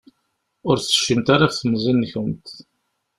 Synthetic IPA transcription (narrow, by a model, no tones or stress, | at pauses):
ʊɾθə̥ʃːəmt̪aɾafθəmzinːçəmt̪